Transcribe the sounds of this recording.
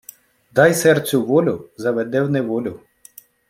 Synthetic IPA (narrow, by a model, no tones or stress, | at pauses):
d̪ɑjsɛrt̪t͡sʲʊʋɔlʲʊzɐʋɛd̪ɛwnɛʋɔlʲʊ